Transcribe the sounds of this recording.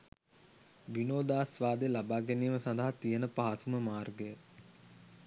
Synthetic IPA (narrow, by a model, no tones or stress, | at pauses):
ʋinoːd̪aːsʋaːd̪elabaːɡænijməsaɐnd̪aɦat̪ijənəpaɦasuməmaːrɡəjə